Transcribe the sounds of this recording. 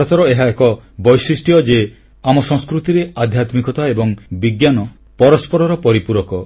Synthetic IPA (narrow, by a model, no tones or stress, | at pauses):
ɔt̪ɔɾɔeɦaekɔbɔjsɾisʈiɔd͡ʒe | amɔsɔ̃ŋskɾut̪iɾead̪ʱjat̪mikɔt̪aebɔŋbiɡjanɔ | pɔɾɔspɔɾɔɾɔpɔɾipuɾɔkɔ